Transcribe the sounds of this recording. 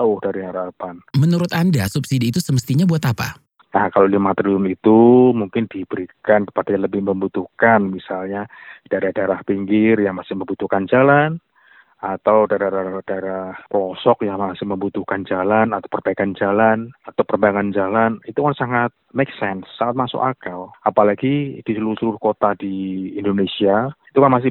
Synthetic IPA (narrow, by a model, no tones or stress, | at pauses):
aʊhdaɾiɦaɾapanmənuɾʊt̪andasupsidiːt̪usəməst̪iɲabuat̪apa̰ | nahkalodimat̪ɾiʊnit̪umuŋkɪndibəɾikankə̥padaaləbɪhməmbut̪uhkanmisalɲad̥aɾahdaeɾahpiŋɡɪrjaŋmasɪhməmbut̪uhkand͡ʒalan | at̪awdaɾaɾaad̥aeɾahkəlɔsɔk̚jaŋmasɪhməmbut̪uhkand͡ʒalanat̪awpərb̥aikand͡ʒalanat̪awpərbaaŋand͡ʒalanit̪ukansaŋat̪̚meksɛnsːaŋat̪̚masʊ̰ka̰kawapalaɡid̥isəluɾʊsəluɾʊhkot̪adiːndonesiait̪ukanmas̬ɪ